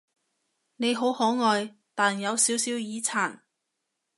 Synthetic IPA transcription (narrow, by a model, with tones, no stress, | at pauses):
ne˨˧jɦo˨˥whɔː˨˥ŋɔː˨˧j | t̪aː˨njɐ˨˧wsiː˨˥wsiː˨˥wjiː˨˧t͡sʰaː˨˩n